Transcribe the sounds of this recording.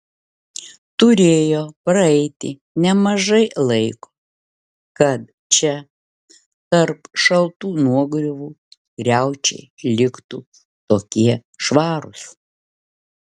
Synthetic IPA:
t̪ʊɾʲeːjoːpɾɐɛɪt̪ʲɪ̰ | nʲɛmɐʒɐɪlˠɐɪko̥ | kɐt̪ | t͡ʃʲɛ | t̪ɐɾpʃɐlˠt̪uːnuɔɡɾʲʊʋuː | ɡɾʲæˑʊt͡ʃʲɛ̰ɪlʲɪkt̪u | t̪oːkʲiɛʃʋɑːɾʊs

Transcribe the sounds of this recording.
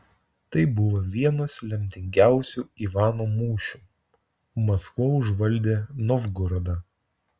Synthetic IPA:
t̪ɐɪbʊʋoʋʲiɛnoːslʲɛmʲt̪ʲɪŋʲɡʲæˑʊsʲuːiːʋɑːnoːmuːʃʲuː | mɐskʋoːʊʒʋɐlʲˑd̪ʲeːnɔʋɡʊɾɐd̪ɐ

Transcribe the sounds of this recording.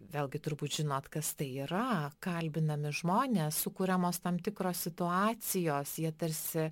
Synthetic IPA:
ʋʲeːlˠɡʲɪt̪ʊɾbuːt̪ʒʲɪnoːt̪kɐst̪ɐɪiːɾɐkɐlʲbʲɪnɐmʲɪʒmoːnʲeːssʊkuɾʲɛmoːst̪ɐmt̪ʲɪkɾoːsʲsʲɪt̪ʊɑːt͡s̪ʲɪjoːsjiɛt̪ɐɾʲsʲɪ

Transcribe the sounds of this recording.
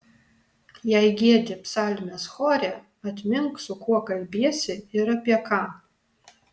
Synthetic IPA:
jajɡʲedʲapʰsalʲnasχorʲa | atʰʼmʲɪmkʷʰʼsukʰʷuakʼalʲbeseiɾapʰʼjakʰa

